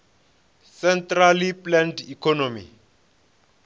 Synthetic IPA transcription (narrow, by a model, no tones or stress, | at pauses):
sɛntraliplɛndikʰɔnomḭ